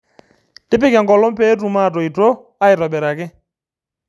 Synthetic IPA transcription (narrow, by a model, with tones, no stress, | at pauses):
tɪ˦pɪ˦ka˨ŋɡɔ˨lɔ˦m˦pɛ˦t̬u˨ma˦˨tɔ˨i˨to˦ | a˦ɪ˨ɾɔ˨bɛ˨ɾa˨kɪ˦